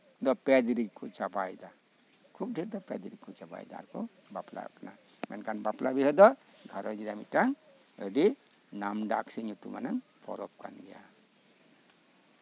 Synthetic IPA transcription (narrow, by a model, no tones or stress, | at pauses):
d̪ɔpɛdiɾikʰːut͡ʃabajda | kʰuk̚diɾd̪ɔpɛd̪iɾikʰːut͡ʃaba̰jda̰a̰ɾkʰɔ | bapla̰kna̰ | mɛnkʰanbaplʔabihɔd̪ɔɡʱaɾɔd͡ʒidamitaŋ | ɯdi | namdaksiɲutumanaŋ | pʰɔ̰ɾɔp̚ka̰nɡɛja̰